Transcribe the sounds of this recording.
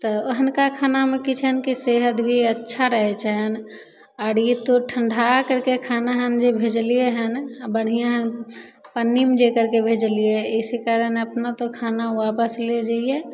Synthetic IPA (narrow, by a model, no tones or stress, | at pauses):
t̪ɔoɦənkakʰanamẽkit͡ʃʰənkiseɦət̪bʱiətːʃʰaɾəɦɛt͡ʃʰaɦən | aɾjit̪oʈʰəɳɖʱakəɾkekʰanaɦənd͡ʒebʱed͡ʒlijeɦənbəɽ̤ijãɦənpənːimd͡ʒekəɾkebʱed͡ʒlieɪsekaɾənəpnat̪okʰanaʋapəsled͡ʒaie